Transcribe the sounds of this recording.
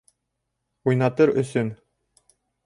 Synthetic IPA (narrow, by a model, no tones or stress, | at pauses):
ujnɑt̪ɤɾɵ̰̆sɵn